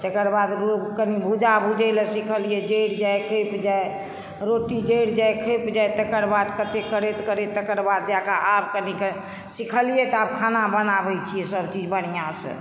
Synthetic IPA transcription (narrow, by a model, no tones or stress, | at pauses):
t̪əkəɾbad̪ɾkənibʱud͡ʒabʱud͡ʒələsikʰəlijɛd͡ʒəjɽd͡ʒajkʰepd͡ʒae | ɾoʈid͡ʒəjɽd͡ʒajkʰəpd͡ʒajt̪əkəɾbad̪kət̪ekəɾet̪kəɾet̪ːəkəɾbad̪̚d͡ʒakaʔab̚kənikə | sikʰəlijɛt̪ɔab̚kʰanabənabɛjt͡ʃʰijɛsəbt͡ʃid͡ʒbənijãsə̰